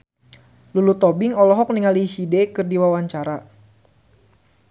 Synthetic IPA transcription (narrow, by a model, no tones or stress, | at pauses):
lulut̪ɔbiŋɔlɔɦɔk̚niŋalihidɛkɨrdiwawaɲt͡ʃaɾa